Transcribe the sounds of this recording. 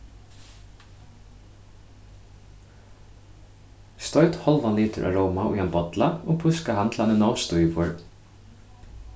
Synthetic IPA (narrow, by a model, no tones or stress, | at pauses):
st̪ɔɥt̪hɔlʋaniːt̪ʏɾʔa̰ːɹɔwmaʊ̰jhanbɔt̪laɔɣpʰʊskahant̪ʰlanɪnɔwst̪ujvʊɹ